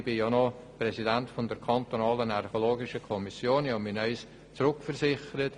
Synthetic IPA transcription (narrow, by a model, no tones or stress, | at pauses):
b̥ɪjɑnɔ | prɛsidæntfɔndɛɾkʰɑntonɑːlənɛrχoloːɡɪʃəkʰɔmisjoːnjɑminœʏs | t͡sɾʊkfɛrsɪχəɾət